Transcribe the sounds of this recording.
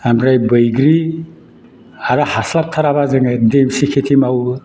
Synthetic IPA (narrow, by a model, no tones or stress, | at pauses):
amɾajbɯjɡɾi | aɾahaslap̚tʰaɾaβazɯŋademsikʰetʰimaw